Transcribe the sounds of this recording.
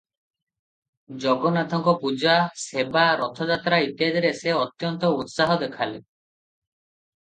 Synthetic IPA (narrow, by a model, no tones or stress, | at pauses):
d͡ʒɔɡɔnad̪ʱɔŋkɔpud͡ʒasebaɾɔt̪ʰɔd͡ʒat̪ɾait̪ijad͡ʒɔɾeseɔt̪jɔnt̪ɔut̪saɦɔd̪ekʰale